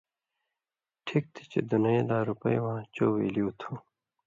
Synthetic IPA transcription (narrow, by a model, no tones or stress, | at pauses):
ʈʰik̚t̪ʰi̥t͡ɕḛd̪unɐjelaːɾupɐjwãːt͡ɕoːwḛːliut̪ʰũ